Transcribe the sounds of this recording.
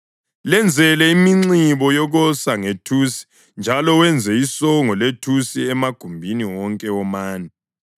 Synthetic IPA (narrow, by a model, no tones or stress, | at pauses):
lɛnd͡zʱɛlɛimiŋ͡ǀiβɔjɔɣɔsaŋetʰusi̥ | nd͡ʒʱalɔwɛnd͡zʱɛisɔŋɔletʰusiɛmaɡ̥ʱumbʱiniwɔŋkʼɛɔmaːnɛ